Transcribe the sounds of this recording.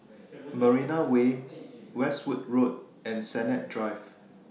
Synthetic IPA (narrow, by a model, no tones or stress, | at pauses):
məɹinawewɛswut̚ɹot̚ | ɛ̃nsɛnɛt̚dɹaɪv